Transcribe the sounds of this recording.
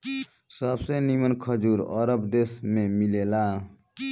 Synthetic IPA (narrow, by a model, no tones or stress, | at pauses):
səbsenimənkʰəd͡ʒuːɾə̰ɾəbd̪eːsmẽmilela